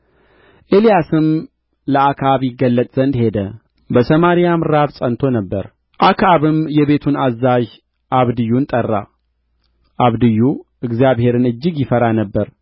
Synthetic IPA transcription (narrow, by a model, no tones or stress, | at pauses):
ʔe̞lijasɨm | ləakʰaβjɪɡːəlːət̪ʼz̥ənd̪he̞d̪ə | bəsəmaɾijamɨɾaβsʼənt̪ʰo̞nəbːəɾ | ʔakʰaβɨmjɛβe̞t̪ʰunazːaʒ | ʔaβd̪ɨjːunt̪ʼərːa | ʔaβd̪ɨjːu | ɨɡzijaβhe̞ɾɨnɨd͡ʒːɪɡjɪfəɾanəbːəɾ